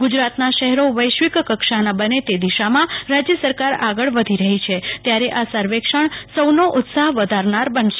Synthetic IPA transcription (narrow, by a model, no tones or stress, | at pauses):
ɡʊd͡ʒɾat̪naʃəɦɛɾoʋəjʃʋikkəkʃanabənet̪ed̪iʃamãɾad͡ʒjəsəɾkaɾaɡəɭʋəd̪ʱiɾəɦit͡ʃʰet̪jaɾeʔasəɾʋekʂəɳsəwnoʔʊt̪saɦʋəd̪ʱaɾnaɾbənʃe